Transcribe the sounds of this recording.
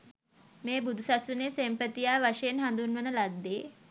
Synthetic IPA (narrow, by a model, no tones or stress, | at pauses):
meːbud̪ʱusasʋunesempət̪ijaːʋaʂejenɦand̪unʋənəlad̪ːeː